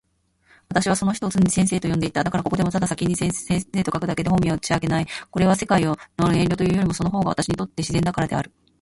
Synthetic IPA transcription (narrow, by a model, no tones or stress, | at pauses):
βat̪aɕiβaso̞no̞çi̥oːt͡sɨ̃ɲisẽɰse̞ːt̪o̞jond̪e̞it̪ːad̪akaɾako̞ko̞d̪e̞mo̞t̪ad̪asakʲiɲ̟ːisesẽɰ̃se̞ːt̪o̞kakɯ̟d̪ake̞d̪e̞homʲiaɯt͡ɕiaɡe̞naiko̞ɾe̞βase̞kaionoẽ̞nʲo̞t̪o̞jɯ̟ːjo̞ɾʲimo̞so̞noɦo̞ːɡaβa̰t̪aɕiɲit̪o̞t̪ːe̞ɕizẽ̞nd̪akaɾad̪e̞a̰ɾɯ̟